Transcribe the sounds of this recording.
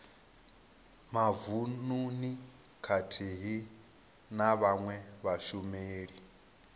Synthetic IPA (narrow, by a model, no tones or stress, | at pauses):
mavununi | kʰatʰiɦi | naβaŋwɛβaʃumeːɺi